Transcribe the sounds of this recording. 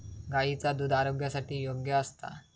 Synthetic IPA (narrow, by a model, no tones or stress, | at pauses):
ɡait͡sad̪ud̪aɾoɡjasaʈiːjoɡjəəst̪a̰